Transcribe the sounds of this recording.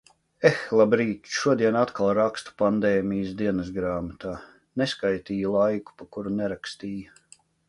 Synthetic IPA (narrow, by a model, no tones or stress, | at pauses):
exlˠabɾiːt̪ʲʃuɔd̪iɛnat̪kalˠɾakst̪u̥pand̪ɛːmijəsd̪iɛnɐs̬ɡɾaːmat̪aː | neskajt̪iːjulˠajku̥pakuɾunɛɾakst̪iːju